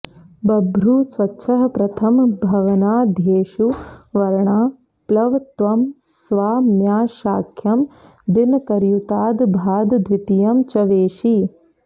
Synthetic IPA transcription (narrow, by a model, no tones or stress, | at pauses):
bɐbʱɾusʋɐtːʃʰɐɦɐpɾɐt̪ʰɐmbʱɐʋɐnaːd̪ʱjeːʃuʋɐɾɳaː | plɐʋt̪ʋɐm | sʋaːmjaːʃaːkʰjɐm | d̪inkɐɾjut̪aːd̪bʱaːd̪d̪ʋɪt̪ijɐmt͡ʃɐʋeːʃi